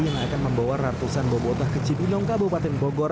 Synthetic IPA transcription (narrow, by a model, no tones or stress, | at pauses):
jaŋakanməmbawarart̪usanbɔbɔt̪ahkət͡ʃitinɔŋkabopat̪ɛŋbɔɡɔɾ